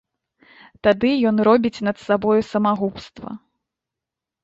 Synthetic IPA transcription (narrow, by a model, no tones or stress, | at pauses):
t̪ad̪ɨjɔnɾɔbʲit͡sʲn̪ɐt̪sabɔjusɐmaɣupst̪vɐ̰